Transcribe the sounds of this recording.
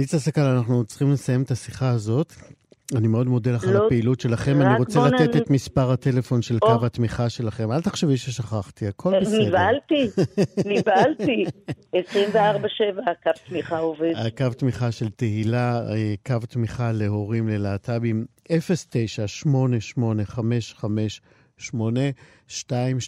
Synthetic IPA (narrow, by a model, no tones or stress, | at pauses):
nit͡sasakalanaχnut͡sχimlesajemet̪asiχaːzo̞t | animeo̞d̪modelaχapeilutʃe̞laχe̞maniʁot͡selat̪et̪et̪mispaʁhate̞le̞fo̞nʃe̞lkavhat̪miχaʃe̞laχe̞malt̪aχʃeviʃeʃaχaχt̪iakʰo̞lenivalt̪inivaaltiesʁimveaʁbaʃevakavt̪miχaovedakavtmiχaʃe̞lteɦilaekavt̪miχale̞ɦo̞ʁimlelaːtʰabimefestejʃaʃmo̞ne̞ʃmo̞ne̞χame̞ʃχame̞ʃ | ʃmo̞ne | ʃtaim